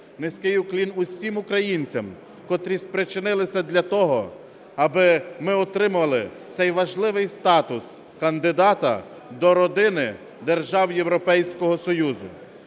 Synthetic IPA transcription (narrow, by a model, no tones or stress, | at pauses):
nɪsʲkɪjuklʲinʊsʲimʊkɾɐjinʲt͡sʲɐm | kɔt̪ɾʲispɾɪt͡ʃɪnɪlˠɪsʲɐd̪lʲɐt̪ɔɦɔ | ɐbɪmɪɔt̪ɾɪmʊʋɐlˠɪ̰t̪sɛjʋɐʒlˠɪʋɪjst̪ɑt̪ʊs | kɐnd̪ɪd̪ɑt̪ɐ̰ | d̪ɔɾɔd̪ɪnɪ | d̪erʒɑwjewɾɔpɛjsʲkɔɦɔsɔjuzʊ̰